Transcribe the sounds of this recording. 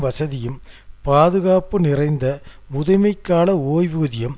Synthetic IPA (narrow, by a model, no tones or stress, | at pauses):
ʋɐsɐðɪjɯmpaːðɯɣaːpɯnɪrɐɪnd̪ɐ | mʊðɐɪmɐɪkːaːlɐoːjʋuːðɪjɐm